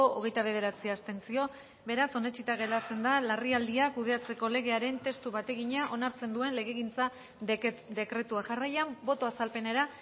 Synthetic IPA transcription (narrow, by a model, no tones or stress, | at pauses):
ooɣ̞e̞jt̪aβ̞e̞ðe̞ɾat͡siaːst̪e̞nt͡sio̞ | be̞ɾaso̞ne̞t͡ʃit̪aɣe̞lat͡se̞nd̪alariald̪iakuð̞e̞at͡se̞ko̞le̞ɣ̞e̞aɾe̞nt̪e̞st̪uβat̪e̞ɣiɲaʔo̞naɾt͡se̞nd̪ue̞nle̞ɣ̞e̞ɣint͡sa | d̪e̞kɾe̞t̪uaʝarajambo̞t̪o̞asalpe̞ne̞ɾa